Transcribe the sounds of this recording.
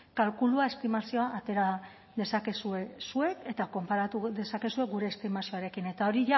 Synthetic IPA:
kalkuluae̞st̪imasio̞aʔːt̪e̞ɾa | ðe̞sake̞sue̞sue̞ke̞t̪ako̞mpaɾat̪uðe̞sake̞sue̞ɡuɾe̞ːst̪imasio̞aɾe̞kine̞t̪ao̞ɾiʝa

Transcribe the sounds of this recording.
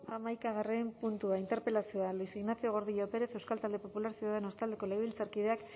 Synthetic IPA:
amajkaɣ̞arempunt̪uaint̪eɾpe̞lasio̞alisiɣnaθio̞ɣ̞o̞ɾðiʎope̞ɾe̞θe̞wskalt̪ald̪e̞po̞pulaɾsiuðaðeno̞st̪ald̪e̞ko̞lejβilt͡saɾkiðe̞ak

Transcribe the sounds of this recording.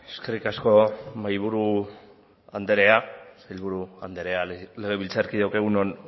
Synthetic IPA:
e̞ske̞rikasko̞majβ̞uɾu | and̪e̞ɾe̞asajlβuɾuand̪e̞ɾe̞ale̞ɣe̞βilt͡saɾkiðawkeɣ̞unon

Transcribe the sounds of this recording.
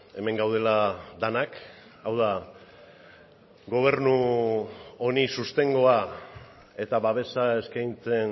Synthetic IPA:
e̞me̞ŋɡawð̞e̞lad̪anak | awða | ɡo̞β̞e̞ɾnu | onisust̪e̞ŋɡo̞a | e̞t̪aβaβ̞e̞sae̞skajnt͡se̞n

